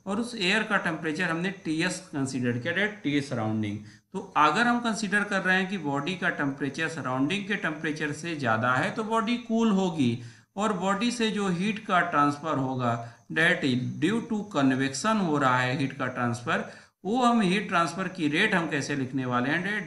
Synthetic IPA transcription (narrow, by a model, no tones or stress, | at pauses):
ɔːɾʊseːəɾkaʈɛ̃mpɾeːt͡ʃəɾɦɐmneʈiːeskɐ̃nsiɖəɾkiaɾeːʈiːsəɾãːʊ̃ɳɖɪ̰̃ŋɡ | t̪oɐɡəɾɦɐmkɐ̃nsɪɖəɾkɐɾːɐɦeɦɛ̃k̬ibɔːɖikaʈɛ̃mpɾeːt͡ʃəɾsɐɾaːʊ̃ɳɖɪ̃ŋɡkeʈɛ̃mpɾeːt͡ʃəɾsed͡ʒja̰ːd̪aɦɛt̪obɔːɖikuːlɦoːɡiː | ɔːɾbɔːɖised͡ʒoːɦiːʈkaʈɾãːnspʰəɾɦoːɡaɖɛːʈiɖiuʈukənʋɪkʃənɦoːɾɐɦaɦɛɦiːʈkaʈɾãːnspʰəɾ | ʋoːɦɐmɦiːʈ̚ʈɾãːnspʰəɾkiɾeːʈɦɐmkɛːselɪkʰneʋaːleɦɛ̃ɖɛːʈ